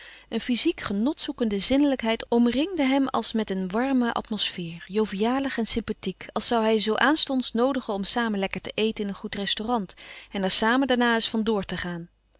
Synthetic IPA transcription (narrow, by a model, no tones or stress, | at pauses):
ʔənfizikχənɔtsukəndəzɪnələkɦɛjtɔmrɪŋdəɦɛmɑ̰lˠsmɛtənʋɑɹməʔɑ̰tmɔsfɪːɹjowvijaːləχɛnsɪmpatikɑlˠsɑwɦɛjzowʔaːnstɔnsnowdəχənɔmsaːmənlɛkəɹtəʔejtənɪnənχutrɛstorɑntɛnɛɹsaːməndaːɹnaːɪsfɑndʊːɹtəχaːn